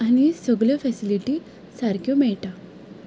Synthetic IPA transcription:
añisəɡɭjafɛsiliʈi | saɾkjɔmɛɭʈa

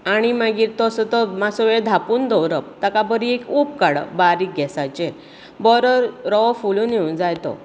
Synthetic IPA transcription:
aɽ̃imaɡiːɾt̪ɔsət̪ɔmasɔʋed̪ʱapuːnd̪ɔwɾəp̚t̪akapəɾiekup̚kaɽə̰baɾiɡʱɛsajt͡ɕe | bɔɾəɾɾɔfuluːnjeund͡zajt̪ɔ̰

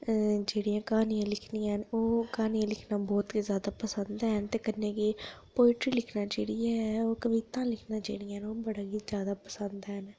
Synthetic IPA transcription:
d͡ʒeːɽijãːkaːniãːlɪkʰniãːnoːkaːnijãːlɪkʰnaːbɔːt̪izjaːd̪aːpəsənd̪ɛːɦnt̪eːkənːẽːkepoːɪʈɾiːlɪkʰnaːd͡ʒeːɽiːɛːoːkəʋiːt̪ãːlɪkʰnãːd͡ʒḛːɽiãːnoːbəɽaːɡizjaːd̪aːpəsənd̪ɛːɦn

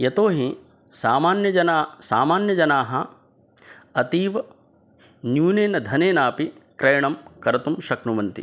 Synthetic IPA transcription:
jɐt̪oːɦi | saːmaːnjɐd͡ʒɐnaːsaːmaːnjɐd͡ʒɐnaːɦɐ | ɐt̪iːʋɐ | njuːneːnɐd̪ʱɐneːnaːpikɾɐjɐɳɐmkɐɾɐt̪umʃɐknuʋɐnt̪ḭ

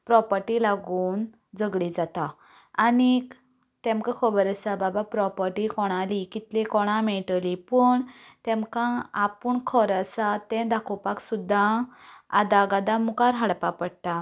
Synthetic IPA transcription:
pɾɔpəɾʈilaɡuːn | d͡zəɡɭid͡zat̪aː | ni | t̪ɛ̃mkakʰɔbəɾəsababapɾɔpəɾʈikɔɽ̃alikit̪likɔɽ̃ãmɛɭʈlipəːɳ | t̪ɛ̃mkãːpuɳkʰɔɾasat̪ɛ̃d̪akʰɔpaksud̪ʱːãad̪aɡad̪ãmukaɾɦaɽpapəɽt̪a

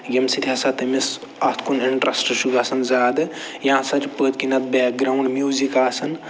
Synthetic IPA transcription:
jɐmsit̪ʰiasat̪ɐmis | ɐt̪ʰkuniɳʈɾɐsʈʃuɡasɐnzaːd̪ɨ | jãsɐt͡ʃpəːt̪kinɐt̪̚bɛːk̚ɡɾaːwɳɖmjuːzikaːsɐn

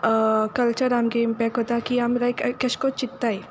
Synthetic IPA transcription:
kɐlt͡ʃəɾaːmkeɪmpɛk̚ʈɦoːt̪akiamɾajkkɐʃkot͡ʃɪt̪ːae

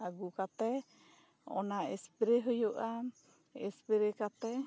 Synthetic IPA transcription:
aɡukat̪ɛ | ɔ̰naɛspɛɾɛɦɔjɔʔa | ɛ̰spɛɾɛkat̪ɛ

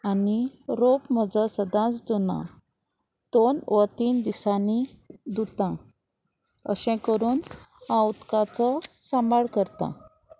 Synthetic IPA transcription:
aniɾopməd͡zəsəd̪ãt͡sd͡zunã̰ | t̪onʋət̪iːnd̪isanid̪ut̪ã | ə̰ɕɛ̃kəɾuːnãut̪kãt͡sɔsãmbʱaɭkəɾt̪ã̰

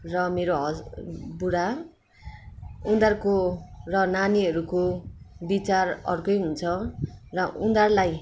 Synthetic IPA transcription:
rʌmeɾoɦʌbuɽa | und̪arkorʌnaniʌɾukobit͡sarʌ̰rkʌjɦunt͡sʰʌrʌʔund̪arlaj

